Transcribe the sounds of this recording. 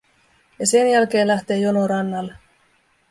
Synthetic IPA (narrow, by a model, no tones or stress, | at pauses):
jɑse̞njælk̟e̞ːnlæht̪e̞ːjonoɾɑnːɑlːe